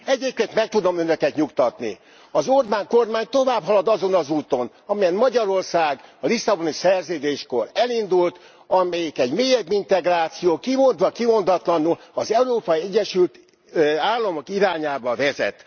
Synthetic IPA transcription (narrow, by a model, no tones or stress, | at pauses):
ɛɟeːp̚keːnt̪mɛk̚t̪ud̪o̞mønøkɛt̪ɲukt̪ɒt̪nḭ | ɒzorbaːŋko̞rmaːɲt̪o̞vaːbɦɒlɒd̪ɒzo̞nɒzuːt̪o̞n | ɒmijɛnmɒɟɒɾo̞rsaːɡɒlisːɒbo̞nisɛrzøːd̪eːʃko̞rɛlind̪ult̪ | ɒmɛjikɛɟmeːjɛbːint̪ɛɡraːt̪sijoːkimo̞nd̪ʋɒkimo̞nd̪ɒt̪lɒnulɒzɛuɾoːpɒjiɛɟːɛʃylt̪ | aːlːɒmo̞kiɾaːɲaːbɒvɛzɛ̰t̪ː